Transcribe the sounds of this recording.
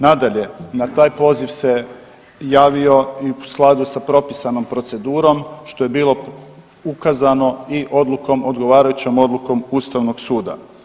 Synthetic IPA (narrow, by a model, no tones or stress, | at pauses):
nad̪aʎe̞nat̪aːjpo̞ːziʋse̞ | jaːʋio̞iusklˠad̪usapɾo̞pisano̞mpɾo̞t̪se̞d̪uːɾo̞mʃt̪o̞je̞biːlˠo̞ | ukazano̞iʔo̞d̪lˠuko̞mod̪ɡo̞ʋaːɾajut͡ɕomo̞d̪lˠuko̞must̪aʋno̞ɡsuːd̪a̰